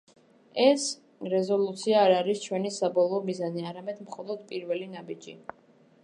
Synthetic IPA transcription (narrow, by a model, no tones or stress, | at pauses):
ɛs | ɾɛzɔlˠut̪sʰiaːɾaɾist͡ʃʰwɛnisabɔlˠɔːmizaniaɾamɛd̪mχɔlˠɔd̪̥̚pʼiɾvɛlinabid͡ʒḭ